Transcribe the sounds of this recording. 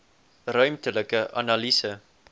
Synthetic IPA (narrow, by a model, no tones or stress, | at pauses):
rœɥmtələkəʔɐ̰nɑlisə